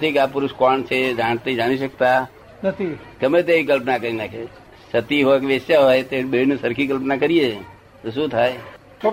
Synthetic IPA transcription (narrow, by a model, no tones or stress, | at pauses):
t̪ʰikapʊɾʊʃkɔnt͡ʃʰed͡ʒaːɳt̪id͡ʒaːɽ̃iʃək̚t̪a | nət̪ʰikəmet̪eik̬əlpnakəɾinakʰe | sət̪iɦokʋest͡ʃaɦoet̪eɓeinisəɾkʰikəlpnakəɾie | t̪oʃũt̪ʰae